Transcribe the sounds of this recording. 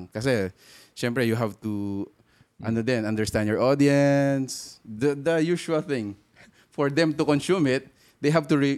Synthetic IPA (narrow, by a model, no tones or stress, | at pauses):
ŋkɐs̬ɛ | ʃɛ̃mpɹɛjuɦavt̪u | ʔɐnod̪ɛ̃nɐ̃nd̪ɛɹst̪ãnd̪jɔɹʔod̪iɛnsd̪d̪ɐjuʃuɐlθɪ̃ŋ | fɔɹd̪ɛ̃mt̪ʊkɔ̃nsumɪt̪̚ | d̪ejɦavt̪ʊɹi